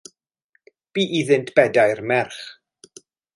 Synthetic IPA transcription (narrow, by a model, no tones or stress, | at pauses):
b̥iːʔiðɨntʰb̥ɛdajrmɛrχ